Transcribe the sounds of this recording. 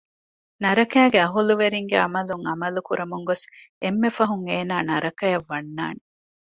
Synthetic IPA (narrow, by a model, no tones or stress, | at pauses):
nɐɾɐkæːɡeɐɦuluʋeɾiŋɡeɐmɐluŋɐmɐlukuɾɐmuŋɡos | emːefɐɦuŋeːnaːnɐɾɐkɐjɐʋːɐnːa̰ːne